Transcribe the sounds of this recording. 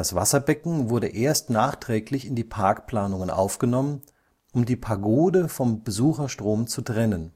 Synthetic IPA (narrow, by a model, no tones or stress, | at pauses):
d̥asv̥a̰sɐbɛkŋ̩vʊɐdəʔeːɐstnaːχtʁ̥ɛːklɪçɪndiːpʰaɐkpl̥aːnʊŋənʔa̰ʊfɡ̥ənɔmən | ʔʊmdiːpʰaɐɡoːdəfɔmbəzuːxɐʃtʁ̥oːmt͡sutʁ̥ɛnən